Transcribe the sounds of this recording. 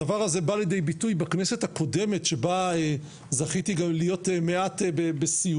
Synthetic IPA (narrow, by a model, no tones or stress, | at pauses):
avaʁhazebaled̪ejbitujbaknese̞t̪hako̞de̞me̞tʃe̞bae | zaχit̪iɡamlijo̞teme̞ʔat̪bebesi